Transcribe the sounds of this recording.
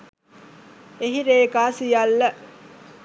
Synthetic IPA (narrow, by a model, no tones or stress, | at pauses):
eɦiɾeːkaːsijalːə